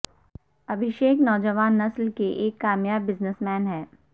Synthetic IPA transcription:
ɐbʱɪʃeːknɔːd͡ʒəʋaːnːɐslkeʔeːkːaːmjaːbːɪznəsmɛːnɦɛː

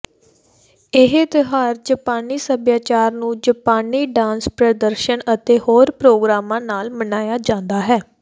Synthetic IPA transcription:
ɪɦt̪ɪɦaːɾd͡ʒəpaːniːsəbjaːt͡ʃaːɾnũːd͡ʒəpaːniːɖãːnspɾəd̪əɾʃənət̪eːhoːɾpɾoːɡɾaːmãːnaːlmənaːjaːd͡ʒãːnd̪aːɦɛː

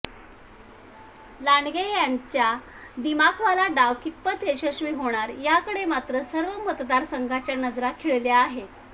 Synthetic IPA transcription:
laɳɡejaɲt͡ɕja | d̪imakʰʋalaɖaʋkit̪̚pət̪eɕəɕmiːɦoɽ̃aɾjakəɽemat̪ɾəsəɾʋəmət̪d̪aɾsəŋɡʱat͡ɕjanəd͡zɾakʰiɭljaːɦe

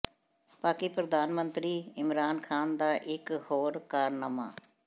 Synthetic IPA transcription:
paːkiːpɾəd̪aːnmə̃nt̪ɾiːɪmɾaːnkʰaːnd̪aːʔɪkhoːɾkaːɾnəmaː

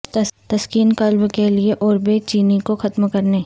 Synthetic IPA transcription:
t̪ɐt̪ɐskiːnkɐlbkelieʔɔːɾbet͡ʃiːnikoxɐt̪mkɐɾneː

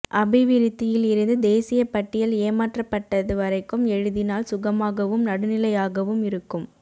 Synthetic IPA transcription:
ʔɐbɪʋɪɾɪt̪ːɪjɪlɪɾɯnd̪ɯd̪eːsɪjɐpɐʈːɪjɐleːmaːʈrɐpːɐʈːɐðɯʋɐɾɐɪkːɯmɛɻɯðɪnaːlsʊɣɐmaːɣɐʋɯmnɐɽɯnɪlɐjaːɣɐʋɯmɪɾɯkːɯm

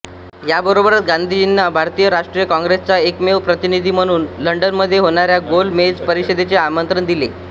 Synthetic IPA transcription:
jabəɾobəɾat̪ɡand̪ʱid͡ʑinːabʱaɾt̪ijəɾaʂʈɾijəkɔ̃ŋɡɾest͡saekmeʋpɾət̪inid̪ʱiːm̤əɽ̃uːnləɳɖənməd̪ʱːjeɦoɽ̃aɾjaɡolmed͡zpəɾiɕəd̪et͡seamənt̪ɾənd̪ile

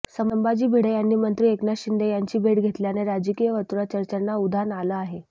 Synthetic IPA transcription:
səmmbad͡ʑiːbʱiɽejanːiːmənt̪ɾiːeknaɕind̪ejaɲt͡ɕiːbʱeʈɡʱet̪ljaneɾad͡ʑəkijəʋət̪uɾat͡ɕəɾt͡ɕənːaud̪ʱanalaaɦe

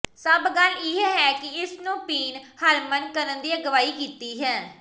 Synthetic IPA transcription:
səbɡəlɪɦɦɛːkɪɪsnũːpiːnhəlmənkəɾənd̪iːəɡəʋaːiːkiːt̪iːɦɛː

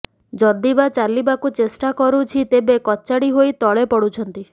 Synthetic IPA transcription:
d͡ʒɔd̪ibat͡ʃaɾlibakut͡ʃesʈakɔɾut͡ʃʰit̪ebekɔt͡ʃaɽiɦojt̪ɔɭepɔɽut͡ʃʰɔnt̪i

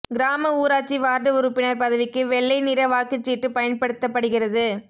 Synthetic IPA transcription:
ɡɪɾaːmɐuːɾaːt͡ʃːiʋaːɾɖɯʊɾɯpːɪnɐɾpɐðɐʋɪkːɯʋɛɭːɐɪnɪɾɐʋaːkɯt͡ʃːiːʈːɯpɐjɐnpɐɽɯt̪ːɐpːɐɽɯɣɪrɐðɯ

